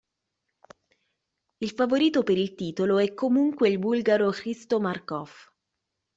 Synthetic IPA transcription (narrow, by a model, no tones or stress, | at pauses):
ilfavoɾiːt̪opeɾilt̪iːt̪oloɛkːomuŋkweilbulɡaɾokɾist̪omarkɔf